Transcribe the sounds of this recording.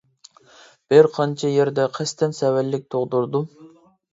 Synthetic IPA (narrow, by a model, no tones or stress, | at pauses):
b̥ɪɾqʰɑnt͡ʃʰɑjeɾd̪ɛqʰɛst̪ʰɛnsɛwɛlːɪk̚ʲt̪ʰoʁd̪uɾd̪u